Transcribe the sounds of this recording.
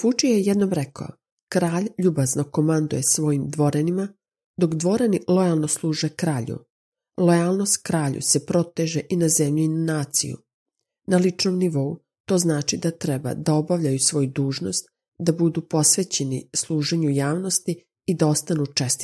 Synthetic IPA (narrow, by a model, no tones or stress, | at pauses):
fut͡ʃijejed̪no̞mɾeka̰o̰ | kɾaːʎʎubazno̞ko̞mand̪uje̞sʋo̞jimd̪ʋo̞ɾenima | d̪o̞kd̪ʋo̞ɾenilˠojalˠno̞slˠuːʒekɾaːʎṵ | lˠo̞jaːlˠno̞st̪kɾaːʎṵse̞pɾo̞t̪eʒe̞ʔinazemʎuinanaːt̪sḭjṵ | nalit͡ʃno̞mniʋo̞u | t̪o̞ːznaːt͡ʃid̪at̪ɾɛba̰d̪ao̞baʋʎajusʋo̞ːjud̪uːʒno̞st̪ | d̪abud̪upo̞sʋe̞t͡ɕe̞nḭslˠuːʒeɲujaːʋno̞st̪iː | d̪ao̞st̪anut͡ʃest̪i̥